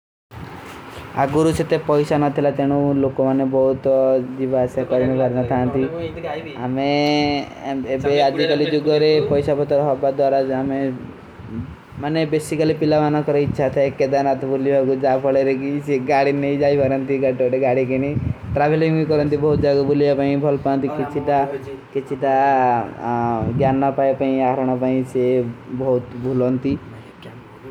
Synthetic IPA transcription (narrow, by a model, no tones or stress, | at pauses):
a̰ɡuɾuset̪epɔjsanɔt̪ʰilat̪eɽ̃ũlokɔmanebɔɦut̪d͡ʒibaːsjakɔɾimebʱɔɾnɔt̪ʰant̪i | ame | ebead͡ʒikalid͡ʒuɡɔɾepɔjsabɔt̪ɔɾɔɦɔbad̪waɾaame | manebesikalipilaʋanakɔɾɔitːʃʰat̪ʰaeked̪anat̪ɔbʱulibʱakud͡ʒabʱɔɭeɾekiseɡaɽinejd͡ʒajbʱaɾɔnt̪iɡaʈɔʈeɡaɽik̬eneʈɾabʱeliŋikɔɾɔnt̪ibɔɦut̪d͡ʒaɡɔbʱulijapaĩbʱɔlpãnt̪ikit͡ʃʰiʈaket͡ʃʰiʈa | ɡjanːɔpajpaĩaɾɔɽ̃ɔp̬aĩsebɔɦut̪bʱulɔnt̪i